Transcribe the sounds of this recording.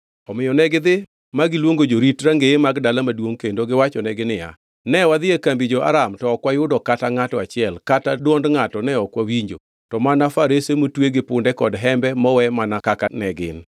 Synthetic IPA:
ɔmɪjɔnɛɡɪd̪ɪ | maɡɪlwoŋɡod͡ʒoɾitɾaŋɡeemaɡdalamadwoŋkendoɡɪwat͡ʃɔnɛɡɪnɪja̰ | nɛwad̪ɪekambid͡ʒoa̰ɾamtɔɔkwajʊdɔkataŋatɔat͡ʃɪɛlkatadwɔndŋatɔnɛɔkwawiɲd͡ʒo̰ | tɔmanafaɾesemotweɡɪpʊndɛkɔdɦɛmbɛmɔwɛmanakakanɛɡɪ̰n

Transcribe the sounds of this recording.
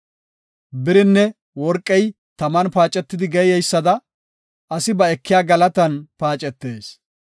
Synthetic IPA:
bɪɾɪnːɛ | wɔɾkʼːɛj | t̪ɐmɐnpaːt͡ʃʼɛt̪ːɪd̪ɪɡɛjɛjsːɐd̪ɐ | ʔɐsɪbɐɛkːɪjaːɡɐlɐt̪ɐnpaːt͡ʃʼɛt̪ːeːs

